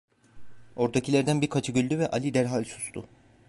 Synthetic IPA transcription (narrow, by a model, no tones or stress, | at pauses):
o̞ɾd̪acʰilʲæɾd̪ænbiɾkʰat͡ʃʰɯɟylʲd̪yvɛʔalʲid̪æɾɦalʲsu̥st̪ʰʊ̰